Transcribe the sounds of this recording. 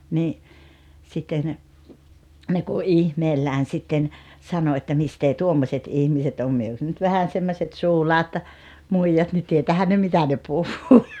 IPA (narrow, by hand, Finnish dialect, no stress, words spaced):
niː sitːen ne ku ʔihmeːlːæːn sitːen sɑno etːæ misteː tuomːosʲet ihmiset om myø jos nyt ʋæhæn semːoset suːlɑːt muijɑt ni tietæːhæn ne mitæ ne puhːuː